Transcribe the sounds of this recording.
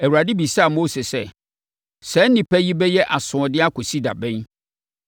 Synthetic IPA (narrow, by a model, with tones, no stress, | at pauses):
ɛ˨wu˨ɾa˨dɪ˦bi˨sa˦a˨mo˦se˨sɛ˦ | sɛ˦nɪ̃˨pʰɛ˦ji˦bɛ˦jɛ˦ʔa˨sʊ̃˨ɔ˨dɪ˦a˦kʊ˨si˦da̰˨bɛ̃˦n